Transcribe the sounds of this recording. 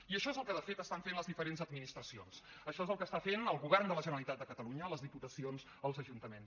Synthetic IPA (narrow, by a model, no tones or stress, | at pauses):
iəʃɔezəlˠkəðəfet̪əst̪aɱfenləzðifəɾenzəd̪minist̪ɾəsions | əʃɔezəlˠkəːst̪afenəlˠɣuβɛrnd̪ələʒənəlit̪at̪d̪əkət̪əluɲələzðiput̪əsionz | əlˠzəʒunt̪əmen